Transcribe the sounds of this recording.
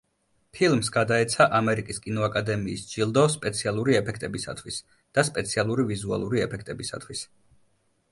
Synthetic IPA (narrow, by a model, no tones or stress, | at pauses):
pʰilˠmsɡad̪aɛt̪sʰaʔamɛɾikʼiskʼinɔakʼad̪ɛmiːsd͡ʒilˠd̪ɔspʼɛt̪sʰialˠuɾiɛpʰɛkʰt̪ʼɛbisa̰t̪ʰwis | d̪̥aspʼɛt̪sʰialˠuɾivizua̰lˠuɾiɛpʰɛkʰt̪ʼɛbisa̰t̪ʰwis